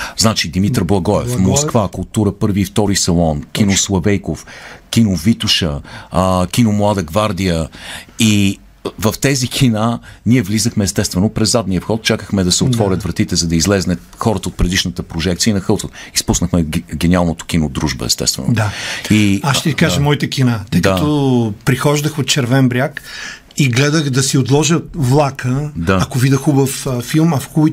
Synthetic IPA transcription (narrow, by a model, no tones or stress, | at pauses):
znat͡ʃid̪imit̪ɾblˠɐɡɔɛ̰fmoskvakʊlˠt̪uɾəpɤɾviːft̪ɔɾisɐlˠɔnkʲinoslˠɐvɛjkofkʲinovit̪uʃə | kʲinomlˠad̪əɡvaɾd̪ijəi | vəft̪ɛzikʰinaniɛvlizəxmɛːst̪ɛst̪vɛnopɾɛzːad̪niəfxɔt̪̚t͡ʃakəxmɛd̪ɐsɛot̪vɔɾʲət̪vɾɐt̪it̪ɛzɐd̪ɐizlɛznət̪xɔɾət̪əot̪̚pɾɛd̪iʃnət̪əpɾoʒɛkt̪siəinɐxɤlˠsot̪ispusnəxmɛɡɛnialˠnot̪o̥k̟inod̪ɾuʒbə̰ɛ̰st̪ɛ̰st̪vɛ̰nod̪aiaʃt̪ɛkaʒəmɔit̪əkʲinat̪əjd̪əat̪opɾixɔʒd̪əxot̪̚t͡ʃɛɾvɛnbɾʲak | iɡlɛd̪əxd̪ɐsiot̪lˠɔʒəvlˠakəd̪aɐkovid̪əxubəffilˠmɐfxuj